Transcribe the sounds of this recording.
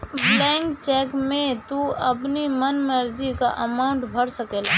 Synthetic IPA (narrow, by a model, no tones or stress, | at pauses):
blɛ̃ːŋkt͡ʃɛːkmẽt̪uəpnimənməɾd͡ʒika̰ʔəmaːʊɳʈbʱəɽsəkeːla